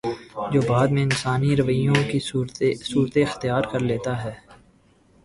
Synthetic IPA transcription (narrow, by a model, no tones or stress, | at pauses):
d͡ʒoːbaːd̪mẽɪnsaːniɾɐʋəjõkiɾsuːɾt̪eɪxt̪ijaːɾkɐɾleːt̪aɦɛː